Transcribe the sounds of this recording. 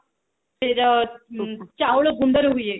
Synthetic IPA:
t̪eɾ | t͡ɕawɭəɡund̪əɾɦuie

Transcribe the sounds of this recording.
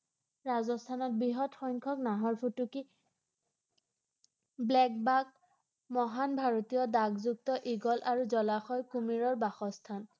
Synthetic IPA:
ɹazɔstʰanɔt̚biɦɔtxɔjŋkʰɔknaɦɔɹpʰutuki | blɛk̚bak̚ | mɔɦanbʱaɹɔtijɔdaɡzuk̚tɔʔiɡɔlʔaɹuzɔlaxɔjkumiɹɔɹbaxɔstʰan

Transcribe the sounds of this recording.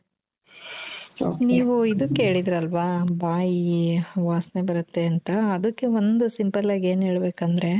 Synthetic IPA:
niːʋuid̪ukːe̞ːɭid̪ɾɐlʋaːbaːjiʋaːsne̞bɐɾut̪ːe̞ɐnt̪ɐːd̪ɐkːe̞ond̪usimpɐlaːɡe̞ːnɦe̞ːɭbe̞ːkɐnd̪ɾe̞

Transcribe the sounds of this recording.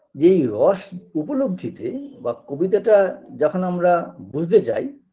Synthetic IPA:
d͡ʑeejɾɔʃupoloɡd̪ʱit̪ebakobit̪̬aʈad͡ʑɔkʰonamɾabud͡ʑʱt̪et͡ɕa̰j

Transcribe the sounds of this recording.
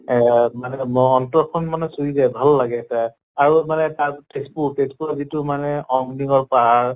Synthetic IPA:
ɛmanɛmɔɔntɔɹkʰɔnmanɛsuidɛbʱalːaɡɛta | aɹumanɛtaɹtekspuɹtespuɹazitʊmanɛɔŋniɡɔɹpaɦaɹ

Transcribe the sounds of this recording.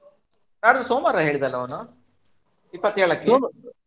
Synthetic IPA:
naːɽud̪usoːmɐɾɐɦe̞ːɭid̪ɐlːɐonu | ipːɐt̪ːɛːɭɐkːe

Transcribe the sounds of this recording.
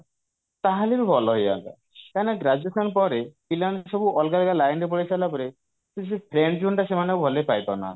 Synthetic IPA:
t̪aɦaleɾubʱɔlɔɦɔja̰ta̰ | kaneɡɾad͡ʒuesɔnpɔɾepilansɔbuʔɔlɡalkalajnɾep̬ɔɽisalapɔɾe | susipʰɾeɳɖd͡ʒuɳʈasemanekubʱɔlepajt̪ɔna̰

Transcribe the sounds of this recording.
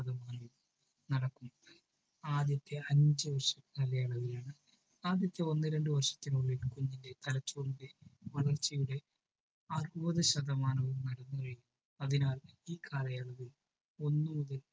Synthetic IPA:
ɐðɐmaːnɐʋum | nɐɽɐkːum | aːd̪jɐt̪ːe̞ɐɲd͡ʑɨʋɐrʂɐkaːlɐjaːɭɐɣilaːɳɨ | aːd̪jɐt̪ːeo̞nːɨɾeɳɖɨʋɐrʂɐ̥t̪ːinuɭːilkuɲːinde̞t̪ɐlɐt͡ɕːuʋunide̞ʋɐɭɐrt͡ɕːijuɽe̞ | ɐruɐðɐɕɐðɐmaːnɐʋumnɐɽɐnːuɐrijum | ɐðinaːliːkʰaːlɐjaːɭɐɣil | o̞nːumuðɐl

